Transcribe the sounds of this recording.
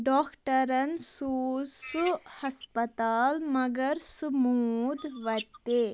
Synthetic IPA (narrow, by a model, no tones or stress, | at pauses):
ɖɔːkʈɐɾɐnsuːsuhɐspɐt̪aːlmɐɡɐɾsumuːd̪ʱʋɐt̪ːe